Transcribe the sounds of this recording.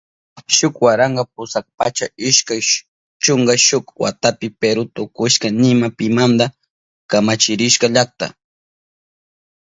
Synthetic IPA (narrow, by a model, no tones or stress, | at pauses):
ʃʊkwaɾaɴɡɑp̚ʊsak̚pat͡ʃaɪʃkaj | t͡ʃʊŋɡaʃʊkwa̰t̪apɪpeɾʊt̪ʊkʊʃkanɪmapɪmand̪a | kamat͡ʃɪɾɪʃkaʎak̚t̪a̰